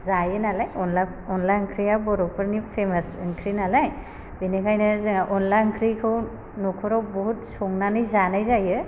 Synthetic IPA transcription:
zajɯnalajɔnla | ɔnlaŋkʰɾijabɔɾɔk̚pɯɾnipʰemasŋkʰɾinalaj | binekʰajnɯzɯŋaʔɔnlaŋkʰɾikʰɯw | nɔkʰɔɾɔwbɔɦut̚sɔŋnanɯjzanajzajɯ

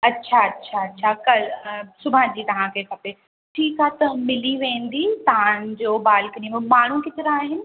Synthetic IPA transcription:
ɐtːɕʰaɐtːɕʰaɐtːɕʰakɐlsʊbʱãd͡ʑiːt̪ɐʋ̤ãkʰekʰɐpe | ʈʰiːkaːt̪ɐmɪliʋẽːnd̪it̪ɐʋ̤ãd͡ʑoːbaːlkɐnĩmẽmaːɳ̤ũkɪt̪ɪɾaaːɦɪnɪ̆

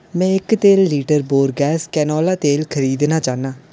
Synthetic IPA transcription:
mɛ̃ːɪkt̪eːlːiːʈəɾboːɾɡɛːskɛːnɔːlaːt̪eːlkʰəɾiːd̪naːt͡ʃaːnaː

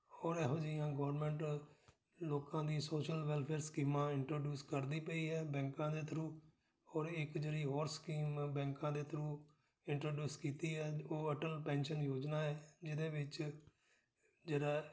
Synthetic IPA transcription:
ɔːɾɛːɦõːd͡ʒɪjãːɡɔʋɾmɛ̃ːɳʈ | loːkãːd̪iːsoːʃəlʋɛːlpʰeːɾskiːmãːɪɳʈɾoːɖjuːskəɾd̪iːpəiːɦɛːbɛ̃ːŋkãːd̪eːt̪ʰɾũː | ɔːɾɪkd͡ʒeːɽiːɦɔːɾskiːmbɛ̃ːŋkãːd̪eːt̪ʰɾũː | ɪɳʈɾoːɖjuːskiːt̪iːɦɛːoːəʈəlpɛ̃ːnʃənjoːd͡ʒnaːɛːd͡ʒɪd̪eːʋɪt͡ʃ | d͡ʒeːɽaː

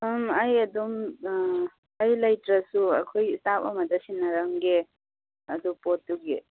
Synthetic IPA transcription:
majad̪ɔm | ajlajtɾasua̰kʰojstapɔ̰mad̪asinːaɾaŋɡe | ad̪upɔtːuɡḛ

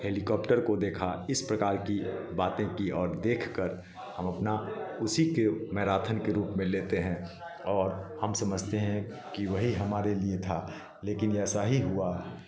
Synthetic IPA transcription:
heːlikɔːpʈəɾkod̪eːkʰaɪspɾɐkaːɾkibaːt̪ẽkiɔːɾd̪eːkʰkəɾ | hɐmɐpnaʊsikemɛːɾaːt̪ʰənkeɾuːpmẽleːt̪eɦɛ̃ | ɔːɾhɐmsɐməd͡ʒʱt̪eɦɛ̃ | kiʋɐɦiɦɐmaːɾeliet̪ʰa | leːkɪnɛːsaɦiɦua

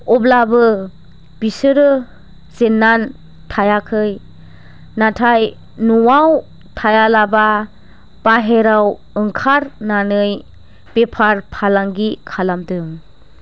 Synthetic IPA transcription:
ɔblabɯ | b̥isɯɾɯ | zenːan | tʰajakʰɯj | natʰaj | nuwaw | tʰajalaba | b̥aɦeɾaw | ɯŋkʰaɾnanɯj | b̥epʰaɾpʰalaŋɡikʰalamtɯŋ

